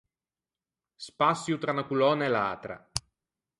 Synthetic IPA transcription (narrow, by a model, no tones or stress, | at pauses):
spasːjut̪ɾanakulɔːnaela̰ːt̪ɾa̰